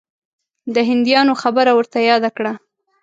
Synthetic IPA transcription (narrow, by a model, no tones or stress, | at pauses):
d̪əɦɪnd̪jɑnoxabəɾawəɾt̪ajɑd̪akɽa